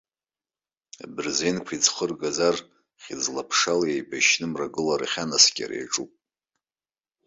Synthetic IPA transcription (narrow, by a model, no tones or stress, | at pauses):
abɨrzenkʷʰid͡zχərɡazar | χʲid͡zlapʰʂalejbaʃnɨmraɡɨlaɾaχʲanaskʲʼa̰ɾḛjʈ͡ʂʼupʼ